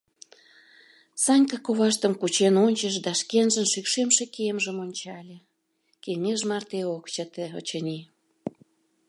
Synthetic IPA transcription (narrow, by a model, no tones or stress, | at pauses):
sɑnʲkɑkoβɑʃt̪əmkut͡ɕenonʲt͡ɕəʃd̪ɑʃkenʒənʃykʃemʃekemʒəmonʲt͡ɕɑlʲe | keŋeʒmɑrt̪eokt͡ɕət̪eo̰t͡ɕənʲi